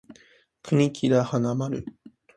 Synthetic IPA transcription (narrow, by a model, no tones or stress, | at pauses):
kʰɯ̟ɲʲikʲʰiɾahanamaɾɯ